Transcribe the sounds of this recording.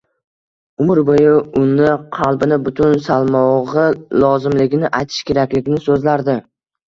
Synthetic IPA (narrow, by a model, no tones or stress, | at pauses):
ʊmɪɾbojɪʊnːɪqʰɑlˠbɪnɪbʊt̪ʰʊnsalˠmɒʁɨlɒzɪmlɪɡʲɪnɪʔajt̪ʰɪ̥ʃkʲe̞ɾakʲlɪɡʲɪnɪsɵzlaɾd̪ɪ